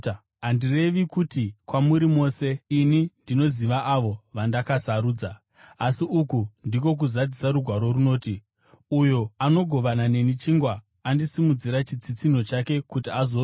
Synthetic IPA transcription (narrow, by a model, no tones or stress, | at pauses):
ɦandire̞ʋikutikwamuɾimo̞ːse̞inindino̞ziʋaʔaʋo̞ʋandakasaɾuːd͡za | asiukundik̬o̞k̬uzad͡zisaɾuɡʱwaɾo̞runo̞ːti | ujo̞ano̞ɡʱo̞ʋanane̞nit͡ʃiŋɡwaː | ndisimud͡ziɾat͡ʃid͡zit͡sino̞t͡ʃake̞kutiazo̞